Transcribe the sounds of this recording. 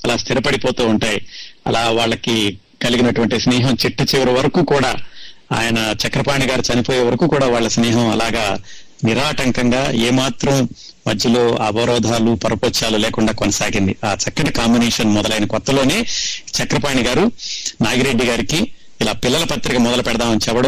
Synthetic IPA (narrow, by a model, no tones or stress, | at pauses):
ɐlaːst̪ʰiɾɐpɐɽipo̞ːt̪uːuɳʈaːjiɐ̰laːʋaːɭːɐki | kɐliɡinɐʈuʋɐɳʈisniːɦɐmt͡ʃiʈːɐt͡ʃiʋɐɾiʋɐɾɐkuːkuːɽa̰ːa̰ːjɐnɐt͡ʃɐkɾɐpaːɳiɡaːɾut͡ʃɐnipoːjeːʋɐɾɐkuːkuːɽaːʋaːɭːɐsniːɦɐmɐlaːɡaː | niɾaːʈɐŋkɐŋɡaːeːmaːt̪ɾɐm | mɐd̪ʱjɐlo̞ːɐbɐɾɔːd̪ʱaːlupɐɾɐpoːt͡ʃaːluleːkuɳɖaːkɔnɐsaːɡind̪iaːt͡ʃɐkːɐʈikaːmbineːʂɐnmɔd̪ɐlɐjinɐkɔt̪ːɐlo̞ːne̞ːt͡ʃɐkɾɐpaːɳiɡaːɾunaːɡiɾe̞ɖːiɡaːɾikiː | laːpilːɐlɐpɐt̪ɾikɐmɔd̪ɐlɐpɛɽɐd̪aːmɐnit͡ʃɛʋɐɽɐ